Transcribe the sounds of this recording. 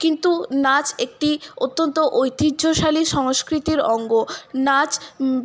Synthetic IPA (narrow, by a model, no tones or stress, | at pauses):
kint̪unat͡ɕek̚ʈiot̪ːont̪oʔojt̪idːʱoʃaliʃɔŋskɾit̪iɾɔŋɡonat͡ɕ